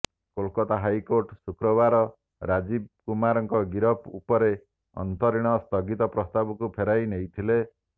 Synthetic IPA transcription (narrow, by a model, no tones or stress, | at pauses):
kolkɔt̪aɦajkoɾʈsukɾɔbaɾɔ | ɾad͡ʒibkumaɾɔŋkɔɡiɾɔpʰṵpɔɾe | ɔ̰nt̪ɔɾiɽ̃ɔst̪ɔɡit̪ɔpɾɔst̪abɔkupʰeɾajnejt̪ʰile